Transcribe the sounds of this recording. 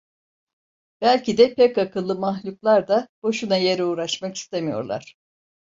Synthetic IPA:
b̥ælʲcid̪ɛpʰɛkakɯlˠːɯmaɦlʲuklˠaɾd̪ab̥o̞ʃunaje̞ɾɛuːɾaʃmaki̥st̪ʰe̞mijo̞̰ɾlˠa̰ɾ̝̥

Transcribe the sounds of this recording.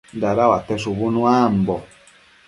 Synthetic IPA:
daɾawatɛs̬uβunũam̩bɔ

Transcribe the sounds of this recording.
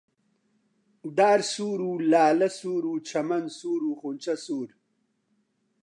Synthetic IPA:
d̪aːɾsuːɾulaːlɐsuːɾuːt͡ɕʰɐmɐnsuːɾuːχunt͡ɕɐsuːɾ

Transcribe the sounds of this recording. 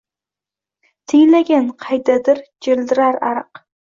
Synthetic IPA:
t̪ʰɪjlaɡʲanqʰɑjd̪ad̪ɪɾd͡ʒɪld̪ɪɾaɾaɾɨq

